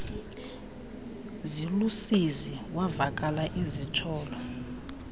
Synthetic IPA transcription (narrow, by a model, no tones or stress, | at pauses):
zilusiziwavakʼalaʔizitʰɔːlɔ